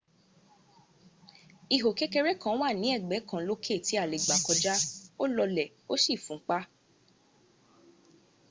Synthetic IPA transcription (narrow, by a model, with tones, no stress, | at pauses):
i˧˨ɦo˨ke˦ke˧ɾɛ˦kã˨˦wa˦˨nĩ˨˦ɛ˦˨ɡ͡bɛ˨˦kã˦˨˦lo˦kʰe˦˨ti˨˦a˦˨le˨ɡ͡ba˨kɔ˧d͡ʒa˦o˦lɔ˧lɛ˨ | o˦ʃi˦˨fũ˨˦k͡pa˦